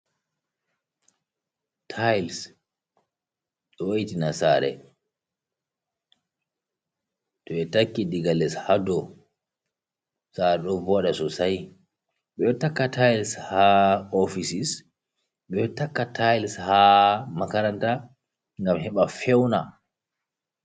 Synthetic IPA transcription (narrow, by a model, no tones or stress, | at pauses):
tʰajls | ɗɔwajitinasaːɾɛ̰ | tɔɛtakːidiɡalɛshadɔ | saɾɛɗɔvɔɗasɔsaj | ɓɛtakːatʰajlshaɔfisis | ɓɛtakːatʰajlshamakaɾanta | ŋɡamhɛɓafɛwna